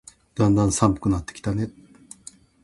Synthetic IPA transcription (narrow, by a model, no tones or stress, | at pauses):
d̪and̪ansampɯ̥kɯnat̪ːe̥kʲi̥t̪anet̪̚